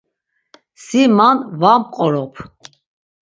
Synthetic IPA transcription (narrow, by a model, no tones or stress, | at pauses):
simanvamqʼɔɾɔpʰ